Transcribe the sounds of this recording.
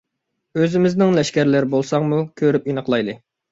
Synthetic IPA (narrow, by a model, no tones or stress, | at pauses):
øzɪmɪznɪŋlɛʃkʲæɾlɪɾbolˠsɑŋmukʲʰøɾyp̚inəχlˠɑjd̪ɨ